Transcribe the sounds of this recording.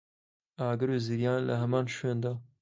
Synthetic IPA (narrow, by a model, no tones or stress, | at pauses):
aːɡɨɾoːziɾjɑːnlɐ̰ɦɛmɑːnʃend̪ɑː